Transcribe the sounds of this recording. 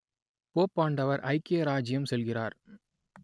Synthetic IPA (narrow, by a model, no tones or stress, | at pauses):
poːpːaːɳɖɐʋɐɾʔɐ̰ɪkeːɾaːd͡ʒɪjɐmsɛlɣɪraːɾ